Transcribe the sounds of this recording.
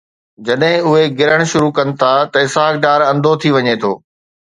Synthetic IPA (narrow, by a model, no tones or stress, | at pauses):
d͡ʑɐɗɦɪ̃ʊɦeɡɪɾəɽ̃ʃʊɾukɐnɪ̆t̪ʰat̪ɐɪsaːk̚ɖaːɾɐ̃nd̪ʱot̪ʰiʋɐɲet̪ʰo̰ː